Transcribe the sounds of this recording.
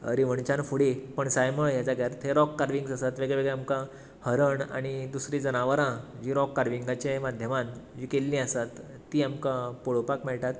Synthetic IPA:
ə̰ɾiʋəɳt͡ɕãnfuɽipəɳsajməɭjat͡saɡʱjaɾt̪ʰeɾɔkːaɾʋiŋɡsasat̪ʋeɡɭɛʋeɡɭɛamkã | həɾəɳa̰ɽ̃id̪usɾid͡zənaʋəɾãd͡ʑiɾɔkːaɾʋiŋɡat͡ɕemad̪ʱjəmand͡ʑikelːĩasat̪ː | iːamkãpoɭopakmɛɭʈat̪

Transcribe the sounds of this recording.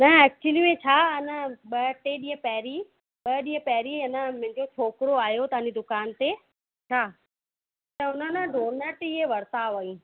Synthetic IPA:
nɐɛːk̚t͡ɕuwəlimẽt͡ɕʰaːɪnəɓɐʈeɗĩːə̃pɛɦɾi | ɓɐɗĩːə̃pɛɦɾiɐnəmʊ̃ɦɪ̃ɲd͡ʑot͡ɕʰoːkɾoaːɦjot̪ɐɦãːnd͡ʑid̪ʊkaːnt̪e | t͡ɕʰaː | t̪ɐʊnənəɖʱoːɾnəʈieʋɐɾt̪aːʋɐĩː

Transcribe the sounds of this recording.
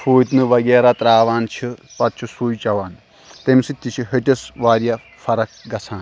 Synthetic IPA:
fuːt̪nɨʋɐɡeːɾat̪ɾaːʋaːnt͡ʃʰipɐt̪̚t͡ʃʰisuːjt͡ʃɐʋaːn | t̪emsit̪ʲːit͡ʃʰiɦiʈʲisʋaːɾjɐ | fʰɐɾɐk̚ɡɐsʰaːn

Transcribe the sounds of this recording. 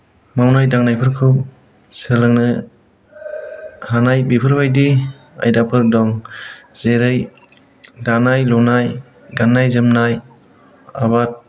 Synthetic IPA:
mawnajdaŋnajpʰɯɾkʰɯw | sɯlɯŋnɯ | hanajbipʰɯɾbajdi | a̰jdapʰɯɾdɔŋz̥eɾɯj | danajlɔnaj | ɡanːajzɯmnaj | a̰bat̚

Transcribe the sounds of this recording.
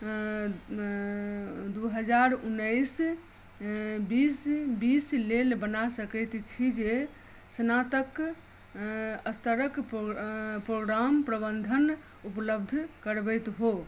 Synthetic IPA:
d̪uɦəd͡ʒaɾunːəjs | bisbislelbənasəkɛt̪t͡ʃʰid͡ʒe | snat̪ək | əst̪əɾək | pɾoɡɾampɾəbənd̪ʱən | upləb̚d̪ʱkəɾbəjt̪ɦo

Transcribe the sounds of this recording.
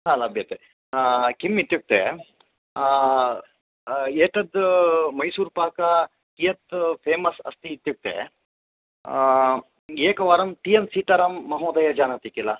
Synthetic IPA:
ɦalɐbʱjɐt̪e | kimit̪ːjuk̚t̪ḛ | eːʈɐd̪mɐjsuːɾpaːkɐ | kijɐt̪pʰeːmɐsɐ̰st̪iːt̪juk̚t̪ḛ | eːkɐʋaːɾɐmt̪ijɐmsiːt̪ɐɾɐmːɐɦoːd̪ɐjɐd͡ʒaːnɐt̪ikilɐ

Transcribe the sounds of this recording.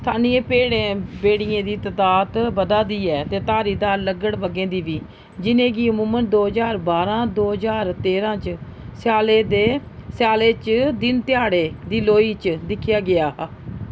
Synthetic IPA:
t̪ʰaːnĩːẽːpeːɽẽːbeːɽɪjẽːd̪iːt̪ət̪aːt̪bəd̪aːd̪iːɛːt̪eːt̪aːɾiːd̪aːləɡəɽbəɡẽːd̪iːʋiː | d͡ʒɪnẽːɡiːəmũːmənd̪oːzaːɾbaːɾãːd̪oːd͡ʒaːɾt̪eːɾãːt͡ʃ | sjaːleːd̪eːsjaːleːt͡ʃd̪ɪnt̪ɪjaːɽeːd̪iːloːiːt͡ʃd̪ɪkʰːjaːɡɪaː

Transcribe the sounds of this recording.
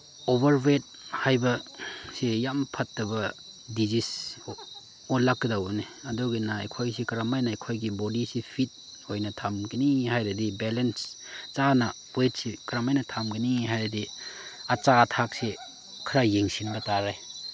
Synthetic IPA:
obɐɾwet̚hajbɐsijampʰɐtːɐbɐ | dizis | onlakːidawneɐduɡinaa̰jkʰojsikɐɾamajnajkʰojɡibodisipʰit̚ | ojnɐtʰamɡinihajɾɐdibelens | t͡ʃana | wet̚sikɾamajnɐtʰamɡiniɦajɾɐdiat͡ʃaːtʰak̚si | kʰɾajeŋsinbɐtaɾaj

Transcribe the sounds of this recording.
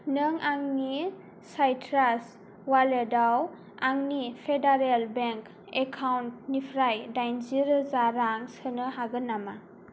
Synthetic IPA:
nɯŋaŋni | sajtʰɾas | waledaw | aŋnipʰedaɾelbeŋk | ekʰawnt̚nipʰɾajdajnziɾzaɾaŋsɯnɯɦaɡɯnːama

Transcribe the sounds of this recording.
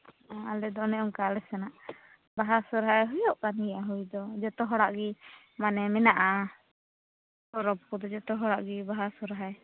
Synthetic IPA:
aalɛd̪ɔnɛɔŋkalɛsɛnaʔ | baɦasɔɾɦaɛɦɔjɔʔkanijʔaɦujd̪ɔd͡ʒɔt̪ɔɦɔɽaʔɡi | manɛmɛnaʔa | hɔɾɔp̚kud̪ɔd͡ʒɔt̪ɔɦɔɽaʔɡibaɦasɔɾɦaɛ

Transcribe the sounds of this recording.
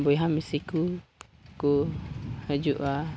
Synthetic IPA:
bɔjɦamisiku | kuhəd͡ʒuʔa

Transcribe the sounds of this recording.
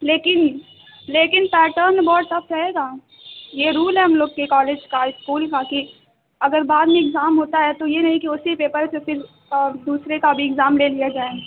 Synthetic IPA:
leːkɪn | leːkɪnpɛːʈəɾnebɔːʈt̪ɐp̚ʰt͡ʃaeːɡaː | jeɾuːlɦɛɦɐmloːɡkekɔːleːd͡ʒkaɪskuːlkaki | ɐɡəɾbaːd̪mẽɪɡzaːmɦoːt̪aɦɛt̪ojenɐɦĩkiʊsipeːpəɾsefɪɾ | d̪uːsɾekabʱiɪɡzaːmleːlijad͡ʒaːe

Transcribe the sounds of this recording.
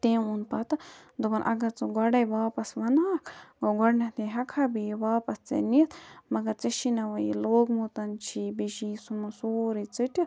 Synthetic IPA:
t̪ẽːunpɐt̪ɐd̪ubɐnʔɐ̰ɡɐɾt͡sɨɡɐɽɐjʋaːpɐsʋɐnaːkʰɡoɡɐɽnɐt̪eɦɐkʰabijʋaːpɐst͡sḛnit̪ʰmɐɡɐɾt͡seʃinɐʋɐjḭloːɡmut̪ɐnt͡ʃʰibeʃisumɐsoːɾit͡sɨʈi

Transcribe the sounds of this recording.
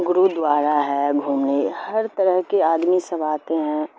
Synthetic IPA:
ɡʊɾud̪ʋaːɾaɦɛɡʱuːmnehɐɾt̪ɐɾəɦkeaːd̪misɐʋaːt̪eɦɛ̃ː

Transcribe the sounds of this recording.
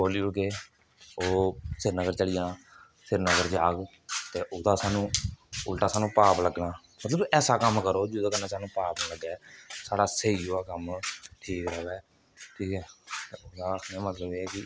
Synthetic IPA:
boːliːʊkeː | oːsɪɾnəɡəɾt͡ʃəlɪjãː | sʰɪɾnəɡəɾd͡ʒaːɡ | t̪eːʔʊd̪aːsaːnũːʊlʈaːsaːnũːpaːpləɡnãː | mət̪ləbɛːsaːkəmkəɾoːd͡ʒuːd̪aːkəɾnaːsaːnũːpaːpnaːləɡɛːsaːɽaːsəiːoːaːkəmʈʰiːkɾəʋɛː | ʈʰiːkɛːt̪eːoːd̪aːəknːaːmət̪ləbeːɛːkɪ

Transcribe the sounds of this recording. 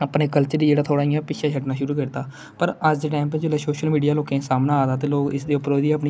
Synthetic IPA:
əpneːkəlt͡ʃəɾid͡ʒeːɽaːt̪ʰoːɽaːijãːpɪʃʰaːt͡ʃʰəʈnaːʃʊɾuːkəɾt̪aː | pəɾəd͡ʒd͡ʒ̪eʈɛ̃ːmped͡ʒeleːsoːʃəlmiːɖijaːloːkẽːsaːmnãːaːt̪aːt̪̬eːloːɡɪsd̪eːʊpːɾoːd̪iːəp̬ni

